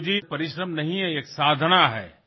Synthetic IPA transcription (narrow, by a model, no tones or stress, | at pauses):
d͡ʒipɐɾɪʃɾəmnɐɦĩɦɛeːksaːd̪ʱnaɦɛ̰ː